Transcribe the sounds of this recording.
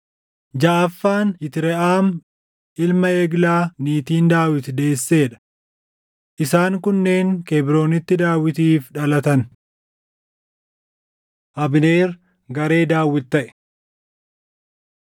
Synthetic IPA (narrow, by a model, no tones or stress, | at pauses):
d͡ʒaʔɐfːaːnɪt̪ɪɾɛʔaːm | ʔɪlmɐeːɡlaːniːt̪iːnd̪aːwɪt̪ɪd̪e̞ːsːe̞ːᶑɐ̥ | ʔɪsaːŋkʊnːe̞ːŋkebɪɾo̞ːnɪt̪ːɪd̪aːwɪt̪iːfᶑɐlɐt̪ɐn | ʔɐbɪne̞ːɾ | ɡɐɾe̞ːd̪aːwːɪt̪ːɐʔɛ̥